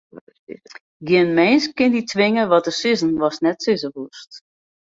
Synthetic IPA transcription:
ɡjɪənmɛnskɪnditʰʋɪŋəʋɔt̚əsɪzənʋɔsnɛtsɪzəʋust

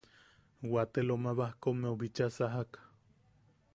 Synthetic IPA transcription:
wat̪elomaβahkomeoβit͡ʃasaɦakḁ

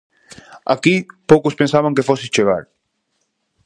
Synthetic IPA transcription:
akipowkʊspẽnsaβaŋkefosist͡ʃeɣ̞a̰ɾ

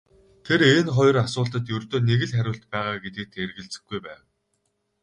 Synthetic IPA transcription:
t̪ʰeɾeːnχɔj̆rasʊːɮt̪ə̆t̪jɵrt̪oːneɣɘ̆ɮχæɾʲʊːɮt̪̚pæːʁaːɡet̪ɘ̆k̚t̪ʰːerɣɘ̆ɮt͡sɘ̆xɡujpæːw

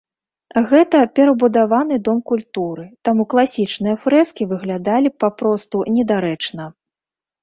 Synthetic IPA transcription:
ɣɛt̪ɐpʲɛɾɐbud̪avanɨd̪ɔmkulʲt̪uɾɨt̪amuklˠasʲit͡ʂnɨjɐfɾɛskʲivɨɣlʲad̪alʲipapɾɔst̪unʲɛd̪aɾɛt͡ʂnɐ

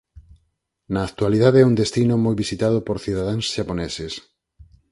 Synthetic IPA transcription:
nɐːkt̪waliðaðeɛuŋd̪est̪inʊmojβisit̪að̞ʊpoɾθiðað̞aŋsʃaponɛses

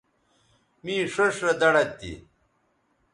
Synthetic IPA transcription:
mĩːʂoʂɾɐd̪ɐɽɐt̪ːḭ

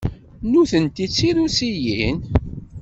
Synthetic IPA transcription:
nuθənt̪it͡sːiɾusijin

